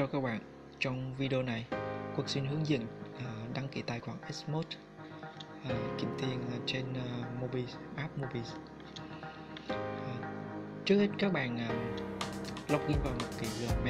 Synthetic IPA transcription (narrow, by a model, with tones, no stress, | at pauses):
ɔ˧kaə˧k̚ɓa̰ː˧˨n | t͡ɕɔ˧wŋ͡mvi˧ɗə˧o˧na˨˩jku˨˩ək̚swi˧nɦɨ˨˦əŋzḭ˧˨ənʔa˨˩ɗa˨˦ŋki˧˩t̪aː˨˩jxwaː˧˩ŋʔɛ˦˥smo˦˥t̚ | ʔa˨˩kḭ˧˩əmt̪i˧ən˨˩t͡ɕe˧n˨mo˧ɓi˧ʔaː˦˥p̚mo˧ɓi˧s | t͡ɕɨ˦˥ək̚he˦˥t̚kaː˦˥k̚ɓa̰ː˧˨nʔəː˨˩ | la˦˥wk͡p̚ŋi˧ənvaː˨˩mo˨˩t̚kḭ˧˩lɨ̰˨˧˩mɛ˧